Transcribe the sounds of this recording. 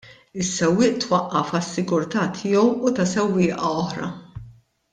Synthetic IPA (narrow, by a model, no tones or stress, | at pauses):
ɪsːɛwːɪːʔt̪wɐʔːɐfɐsːɪɡʊɾt̪ɐt̪ʰɪːɔwut̪ɐsɛwːɪːʔɐɔħɾɐ̰